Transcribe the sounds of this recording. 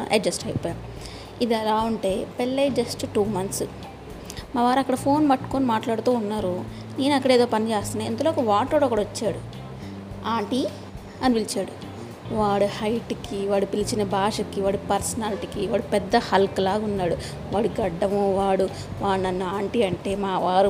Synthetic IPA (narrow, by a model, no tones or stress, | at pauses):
ʔɐ̰d͡ʒɐsʈɐjpːɔːjaːmu | id̪ɛlaːuɳʈe̞ːpelːed͡ʒɐsʈʈuːmɐnt̪s | maːʋaːɾɐkːɐɽɐpʰo̞ːnbɐʈːu̥koːnimaːʈlaːɽt̪uːnːaːɾu | ne̞ːnɐkːɐɽeːd̪oːpɐnit͡ʃeːst̪unaɐ̰nd̪uloːkɐʋaːʈoːɽokːɐɽɐʋɐt͡ʃːaːɽu | aːɳʈi | ɐniʋilit͡ʃaːɽu | ʋaːɽuhɐjʈkiʋaːɽupilit͡ʃinɐbʱaːʂɐkiʋaːɽupɐɾsɐnaːliʈikiʋaːɽupɛd̪ːɐhɐlklaːɡunːaːɽu | ʋaːɽuɡɐɖːɐmuʋaːɽu | ʋaːɽnɐnːuaːɳʈiːɐɳʈe̞ːmaːʋaːɾu